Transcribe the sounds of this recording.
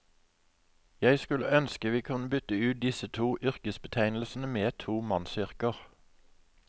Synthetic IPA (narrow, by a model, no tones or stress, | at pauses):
jæɪskʉləœnskəʋiːkʰʉnəbʏt̪əʉːt̪̚d̪ɪsət̪ʰuːʔʏʁkəsbət̪ʰæɪnl̩sn̩əmeːt̪ʰuːmɑnsʏʁkəʁ